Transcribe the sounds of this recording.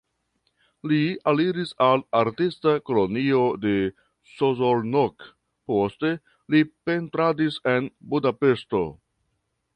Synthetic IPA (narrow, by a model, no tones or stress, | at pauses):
lialiɾisalaɾtistako̞lo̞nio̞de̞ | sozolnok | po̞ste̞ | lipe̞ntɾadise̞nbudape̞sto̞̰